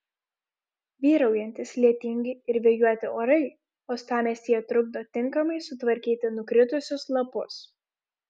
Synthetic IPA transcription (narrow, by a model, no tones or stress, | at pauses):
ʋʲiːɾɐʊjɛnʲt̪ʲɪslʲiɛt̪ʲɪŋʲɡʲɪɪɾʋʲeɛjuɔt̪ʲɪoːɾɐɪ | oːst̪ɑːmʲeːsʲiɛt̪ɾʊɡ̚d̪oːt̪ʲɪŋˑkɐmɐɪsʊt̪ʋɐɾʲkʲiːt̪ʲɪnʊkɾʲɪt̪ʊsʲʊslˠɐpʊ̰s